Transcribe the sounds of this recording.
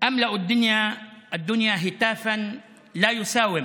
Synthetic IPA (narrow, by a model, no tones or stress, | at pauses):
ʔamlaʔad̪ːʊnjaʔad̪ːʊnjaɦɪt̪aːfa | laːjʊsaːwɪm